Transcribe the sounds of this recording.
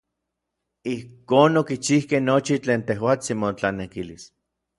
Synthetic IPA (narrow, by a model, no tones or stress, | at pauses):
ihkoːnokit͡ʃihkehnot͡ʃit͡ɬeːnt̪ehwaːt͡simot͡ɬanekilis